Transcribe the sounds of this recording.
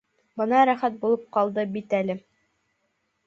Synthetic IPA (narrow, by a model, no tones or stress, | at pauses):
bɤ̆nɑɾæχæt̪̚bulˠɤp̚qɑlˠd̪ɤbit̪ælɘ